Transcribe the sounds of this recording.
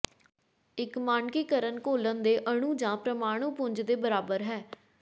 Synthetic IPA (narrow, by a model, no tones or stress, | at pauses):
ɪkmaːnkiːkəɾənkoːlənd̪eːʔəɽ̃ũːd͡ʒãːpɾəmaːɽ̃ũːpʊ̃ɲd͡ʒd̪eːbəɾaːbəɾɦɛː